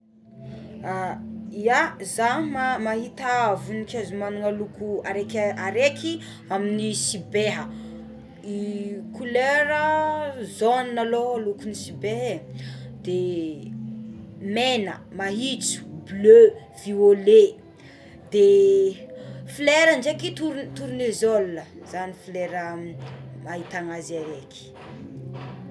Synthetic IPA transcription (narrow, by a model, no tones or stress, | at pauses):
aiazamamaɦit̪avunikʲezumanuŋalukuaɾekʲaɾekʲi | aminisibeɦə | ikuleɾəzoninaloalukunisibeɦed̪̥e | menəmaɦit͡su̥blø | v̥iole | d̪̥e | fileɾəɳd͡ʒekit̪uɾt̪uɾunezolnəz̥anifleɾə | maɦit̪aŋazaɾekʰi̥